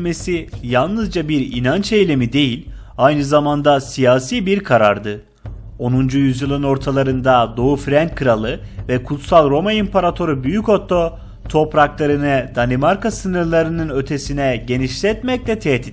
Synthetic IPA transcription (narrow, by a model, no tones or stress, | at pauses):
me̞sijalˠnɯzd͡ʒabiɾḭnant͡ʃe̞jlʲemid̪e̞jilʲ | ajnɯzamand̪asijaːsiːbiɾkʰaɾa̰ɾd̪ɯ | o̞nund͡ʒujyzjɯlˠɯno̞ɾt̪ʰalˠaɾɯnd̪ad̪o̞ufɾænkʰːɯɾalˠɯvɛkʰut̪salˠɾo̞maimpʰaɾat̪ʰo̞ɾubyjyco̞t̪ʰːo̞ | t̪ʰo̞pɾaklˠaɾɯnɯd̪̥anʲimaɾkasɯnɯɾlˠaɾɯnɯnø̞t̪ʰe̞sinɛɟe̞niʃlʲɛt̪mɛclʲɛt̪ʰɛt̪ʰi